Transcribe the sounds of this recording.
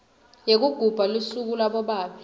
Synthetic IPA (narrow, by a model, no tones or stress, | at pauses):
jek̬uɡ̥ʱub̥ʱalusuk̬ulaɓɔɓaːɓi